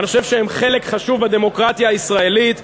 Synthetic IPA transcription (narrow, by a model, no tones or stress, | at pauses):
niχoʃevʃeemχe̞lekχaʃuvad̪e̞mo̞kʁat̪jaːisʁae̞lit̪